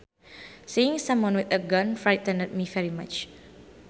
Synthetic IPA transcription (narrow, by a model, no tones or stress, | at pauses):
siɪ̃ŋsãmwɔ̃nwɪθəɡãnfɹaɪtə̃nəd̚mivɛɹimat͡ʃ